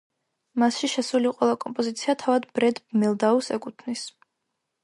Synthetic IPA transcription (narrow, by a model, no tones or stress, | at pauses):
masʃiʃɛsuliqʼwɛlˠakʼɔmpʼɔzit̪sʰiat̪ʰavad̪bɾɛd̪bmɛlˠd̪ausɛkʼut̪ʰnis